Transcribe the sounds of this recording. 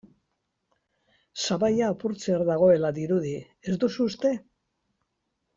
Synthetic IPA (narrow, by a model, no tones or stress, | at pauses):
saβajaːpuɾt͡seaɾðaɣ̞o̞e̞laðiɾuði | e̞zd̪usuːst̪e̞